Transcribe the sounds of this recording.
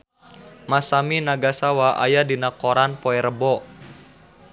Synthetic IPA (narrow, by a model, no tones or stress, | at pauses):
masaminaɡasawaʔa̰jadinakɔɾanpɔɛɾəbɔ